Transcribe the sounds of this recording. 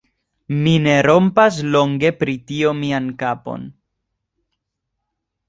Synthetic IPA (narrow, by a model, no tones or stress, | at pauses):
mine̞ɾo̞mpas̬lo̞ŋɡe̞pɾitio̞miankapo̞̰n